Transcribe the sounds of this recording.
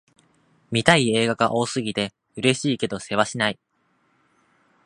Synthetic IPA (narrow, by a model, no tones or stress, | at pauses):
mʲit̪aie̞ːɡaɡaʔo̞ːsɨɡʲit̪e̞ | ɯ̟ɾe̞ɕiːke̞d̪o̞se̞βaɕinai